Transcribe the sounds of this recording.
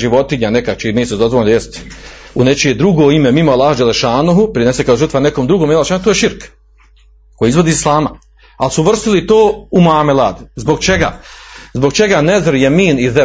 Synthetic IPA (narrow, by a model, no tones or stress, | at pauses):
ʒiʋo̞t̪iɲanekat͡ʃimiːsed̪ozʋolnd̪ajest̪ | unet͡ʃied̪ɾuɡoːimemimoalːˠaːhud͡ʒeleʃaːnuɦupɾinesekaoʒrt̪ʋanekomd̪ɾuɡomelːʃanut̪oːjeʃiɾk | ko̞jiizʋo̞d̪iːislˠaːma | alsuʋr̩st̪ilit̪oːumaːmelaːd̪zbo̞ɡt͡ʃeɡa̰zboɡ̚t͡ʃeɡanezɾjemiːnize